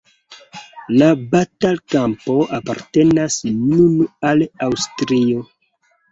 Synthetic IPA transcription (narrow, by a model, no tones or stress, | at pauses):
labatalkampo̞ʔapa̰ɾte̞nasnunalawstɾio